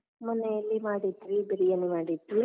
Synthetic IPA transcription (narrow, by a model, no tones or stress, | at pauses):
mɐnejɐlːimaːɽit̪ːʋibeɾijɐnːumaːɽit̪ːi